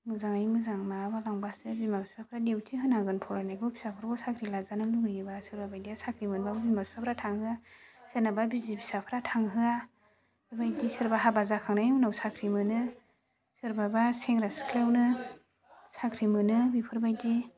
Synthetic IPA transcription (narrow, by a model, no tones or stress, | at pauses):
mɯzaŋajmɯzaŋmabalaŋbasɯbimapisapʰɾadewtʰiɦɯnaŋɡɯnpʰɔɾanajɡɔpʰi̥sapʰɯɾɡɔsakʰɾilazanɯluɡɯjibasɯɾbabajdiasakʰɾimɯnbabbimapisapʰɾatʰaŋhɯasenababizipʰi̥sapʰɯɾatʰaŋɦɯa | bibajdisɯɾbaɦabazakʰaŋnajmunawsakʰɾimɯnɯ | sɯɾbabaseŋɾaskʰlewnɯ | sakʰɾimɯnɯbipʰɯɾbajdi